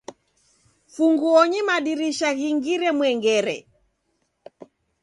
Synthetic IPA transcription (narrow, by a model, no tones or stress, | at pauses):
fuŋɡuɔɲimaɗiɾiʃaɣiŋɡiɾɛmwɛŋɡɛɾɛ̰